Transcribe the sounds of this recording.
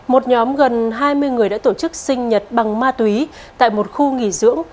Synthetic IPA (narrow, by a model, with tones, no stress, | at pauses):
mo˨˩t̚ɲɔ˨˦mɣə˨˩nɦaː˧jmɨ˧əjŋɨ˨˩əjɗa̰ː˧˥t̪o˧˩t͡ɕɨ˦˥k̚sï˧ŋ̟ɲə˨˩t̚ɓa˨˩ŋmaː˧t̪wi˨˦ | t̪a̰ː˧˨jmo˨˩t̚xu˧ŋi˧˩zɨ̰˧˥əŋ